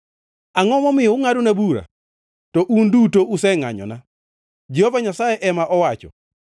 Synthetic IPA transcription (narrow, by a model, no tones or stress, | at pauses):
aŋɔmɔmɪjɔŋadonabuɾa̰ | tɔʔundutoʔusɛŋa̰ɲɔ̰na | d͡ʒehovaɲasajɛʔɛmaʔɔwat͡ʃɔ̰